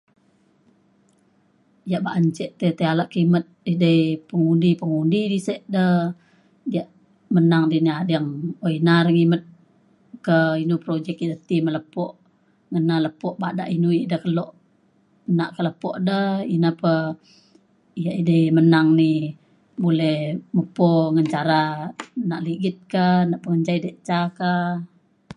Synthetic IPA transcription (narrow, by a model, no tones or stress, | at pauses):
jaʔbaʔəɲt͡ʃɛʔt̪ət̪əalaʔkimət̪̚dədəipəŋundipəŋundidisɛʔdə | jaʔ | mənaŋdiniadaŋoinaɾəŋimət̪̚ | kəinupɾod͡ʒɛk̚idət̪imələpɔʔ | ŋənaləpɔʔbaʔdaʔinuiʔdəhkəlɔʔ | naʔkələpɔʔdəinəpə | ijaʔidəmənaŋni | bolɛhməpoŋəɲt͡ʃaɾanaʔliɡɪt̪̚kənaʔpəŋəɲd͡ʒaidəʔt͡ʃaka